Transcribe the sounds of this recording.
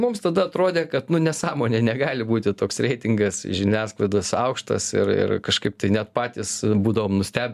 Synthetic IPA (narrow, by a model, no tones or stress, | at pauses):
mʊmst̪ɐd̪ɐɐt̪ɾoːd̪ʲeːkɐt̪nʊnʲɛsɑːmoːnʲeːnʲɛɡɑːlʲɪbuːt̪ʲɪt̪oːksɾʲɛɪt̪ʲɪŋɡɐsʒʲɪnʲæːsklˠɐɪd̪osɐʊkʃt̪ɐ̰sɪ̰rɪ̰rkɐʃkɐɪp̚t̪ɐɪnʲɛt̪pɑːt̪ʲiːsbuːd̪ɐʋoːmnʊsʲt̪ʲæːbʲɪ